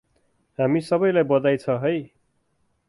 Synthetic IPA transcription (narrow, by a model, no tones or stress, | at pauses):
ɦamisʌbʌjlajbʌd̪ajt͡sʰʌɦʌj